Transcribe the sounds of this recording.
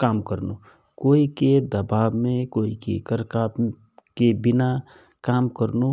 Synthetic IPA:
kaːmkəɾno | koːiked̪ɐbaːbmẽkoːikḛkəɾkaːp | kebɪna | kaːmkəɾno

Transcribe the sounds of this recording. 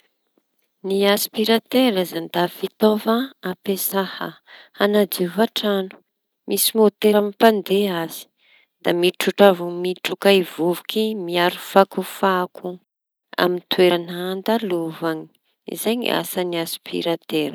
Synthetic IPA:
niaspiɾat̪eɾazand̪afit̪ovaapesaha̰anad̪iuvaʈ͡ʂanu̥ | misimot̪eɾamipand̪eaz̥i̥ | d̪̥amiʈ͡ʂuʈ͡ʂavumiʈ͡ʂukaivuvukimiaɾufakufakʰu | a̰mint̪ueɾanand̪aluvani̥ | ḭzaɲḭʔa̰saniaspʰḭɾat̪eɾə̥

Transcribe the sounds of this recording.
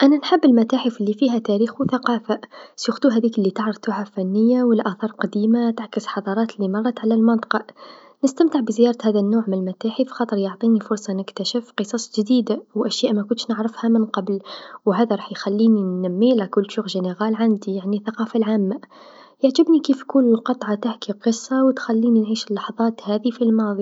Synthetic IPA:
ʔænænħəbːəlmæt̪aːħəfəlːifiɦæt̪æɾiːxwθaqɑːfasjʊxt̪uɦæd̪iːklːit̪əʕɾɑft̪uɦafænːəjːawəlʔæθɑːɾˤqɑd̪iːmat̪aʕkəsħɑd̪ˤɑɾˤɑːt̪lːimɑrˤːɑt̪ʕalælmɑnt̪ˤɑ̥qɑʔ | nəst̪æmt̪əʕbzjɑːɾˤt̪hæd̪ænːoːʕmənəlmæt̪aːħifxɑːt̪ˤəɾˤjoʕt̪ˤinifʊɾˤsˤɑnəkt̪æʃəfqɨsˤɑsˤʒd̪iːd̪awʔæʃjaːʔmækʊnt̪ʃnəʕɾəfhamənqɑblwɦæːðaɾˤɑːħjxælːiːninːæmːilakʊlːʃuxʒəneɣaːlʕand̪ijaʕniθaqɑːfalʕaːmːa | jaʕʒəbnikiːfkuːnəlqɑt̪ˤʕɑt̪aħkiqɨsˤːɑwt̪xælːiːninʕiːʃəlːɑħðˤɑːt̪hæːðifilmɑːðˤi

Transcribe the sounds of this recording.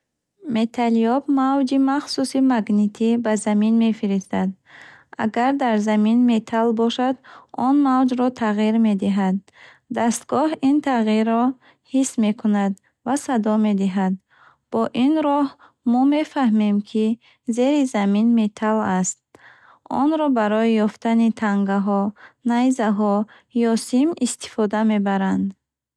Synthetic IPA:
me̞t̪ʰaliɔbmavd͡ʒimaχsusimaɡnit̪ʰibazaminme̞fiɾist̪ad̪ | a̰ɡaɾd̪aɾzaminme̞t̪ʰalbɔʃad̪ɔnmavd͡ʒɾɔt̪ʰaʁiɾme̞d̪iɦad̪̚ː | ast̪ɡɔhint̪ʰaʁiɾːɔ | hisme̞kʰunad̪ | vasad̪ɔme̞d̪iɦad̪̚ | b̥ɔʔinɾɔh | mɔme̞fahmemkʰi | zeɾizaminme̞t̪ʰalast̪̚ | ɔ̰nɾɔbaɾɔjijɔft̪anit̪ʰaŋɡaɦɔnajzaɦɔ | jɔsimist̪i̥fɔd̪ame̞baɾand̪

